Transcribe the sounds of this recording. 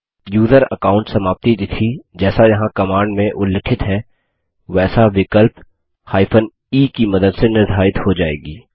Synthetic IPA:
juːzəɾɐkaːʊ̃ɳʈsɐmaːp̚t̪id̪ɪt̪ʰid͡ʒɛːsajɐɦãkɐmaːɳɖmẽʔʊlːəkʰɪt̪ɦɛ | ʋɛːsaʋɪkəlp | haːɪpʰən | iːkimɐd̪əd̪senɪɾd̪ʱaːɪt̪hod͡ʒaːḛːɡiː

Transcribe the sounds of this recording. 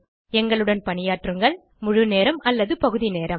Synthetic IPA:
ɛŋɡɐɭɯɽɐnpɐnɪjaːʈrɯŋɡɐɭ | mʊɻɯneːɾɐmɐlːɐðɯpɐɣɯðineːɾɐm

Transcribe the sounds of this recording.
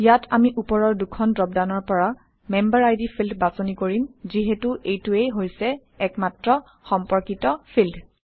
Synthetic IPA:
ijatʰamiʔupɔɹɔɹdukʰɔndɹɔbdanɔɹpɔɹa | mɛmbaɹajdipʰildbasɔnikoɹimziɦɛtuʔejtuejɦojsɛː | kmatɹɔ | xɔmpɔɹkitɔpʰild

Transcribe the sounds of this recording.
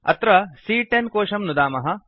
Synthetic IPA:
ɐ̰t̪ɾɐsiːʈenkoːʂɐmnud̪aːmɐɦɐ̆

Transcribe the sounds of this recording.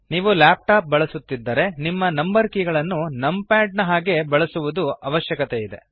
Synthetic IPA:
niːʋulaːp̚ʈaːp̚bɐɭɐsut̪ːid̪ːɐɾe̞nimːɐnɐmbɐɾkiɡɐɭɐnːunɐmpaːɖ̚nɐɦaːɡe̞bɐɭɐsuʋud̪uɐʋɐʃjɐkɐt̪eid̪e̞̰

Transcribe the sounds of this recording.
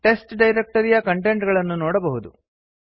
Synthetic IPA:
ʈe̞sʈɖɐjɾe̞k̚ʈɐɾijɐkɐɳʈeɳʈɡɐɭɐnːunɔːɽɐbɐɦud̪u

